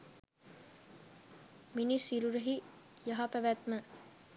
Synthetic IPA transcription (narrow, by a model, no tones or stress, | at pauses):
minisiɾuɾeɦijɐɦapæʋæt̪mə